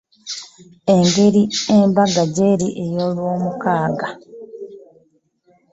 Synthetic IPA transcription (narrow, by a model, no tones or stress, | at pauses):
e̞ŋɡe̞ɾiembaɡaɟeɾiʔejoːlwo̞ːmukaːɡa